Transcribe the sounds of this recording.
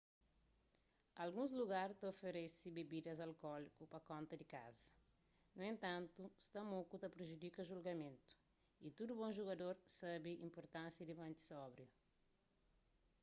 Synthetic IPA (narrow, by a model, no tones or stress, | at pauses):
ɐlɡũzluɡaɾt̪ɐofeɾɛsibebid̪ɐzɐlkɔlikupɐkõnt̪ɐd̪ika̰zɐ | nuẽnt̪ãnt̪ust̪ɐmokut̪ɐpɾeʒud̪ikɐʒulɡɐmẽnt̪u̥ | it̪ud̪ubõʒuɣɐd̪oɾsabiʔĩmpoɾt̪ãnsjɐd̪imɐ̃nt̪i̥sɔbɾju